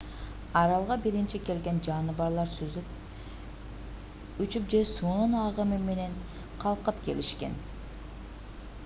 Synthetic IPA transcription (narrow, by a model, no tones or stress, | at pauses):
ɑɾɑlˠʁɑbiɾint͡ʃike̞lɡe̞nd͡ʒɑnɯbɑɾlˠɑɾsyzyp | yt͡ʃypd͡ʒe̞suːnunɑʁɯmime̞ne̞n | qʰɑlˠqɯpke̞̰liʃke̞̰n